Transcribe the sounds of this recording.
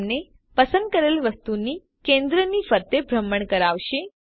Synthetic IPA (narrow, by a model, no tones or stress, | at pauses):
ne | pəsənd̪̚kəɾelʋəst̪uni | kẽnd̪ɾənifəɾt̪ebʱɾəmːəɳkəɾaʋʃe